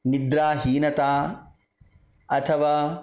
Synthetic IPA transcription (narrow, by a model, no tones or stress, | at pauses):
nid̪ɾaːɦiːnɐt̪aː | ɐt̪ʰɐʋaː